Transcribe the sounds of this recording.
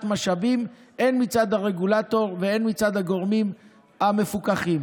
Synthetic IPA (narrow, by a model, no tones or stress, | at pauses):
tmaʃavim | ʔe̞nmit͡sad̪haʁe̞ɡulato̞ʁvee̞nmit͡sad̪haɡo̞ʁmim | ame̞fukaχim